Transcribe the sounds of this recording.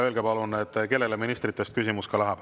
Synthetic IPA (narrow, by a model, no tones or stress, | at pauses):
e̞lɡ̥epɑlune̞t̪ːˑke̞lːe̞leminist̪ɾit̪ːˑe̞st̪̚kysimuskɑlæɦɑb̥